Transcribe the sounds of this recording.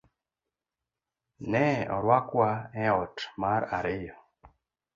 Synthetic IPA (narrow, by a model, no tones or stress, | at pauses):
nɛɔ̰ɾwakwaɛɔtmaɾa̰ɾɪjɔ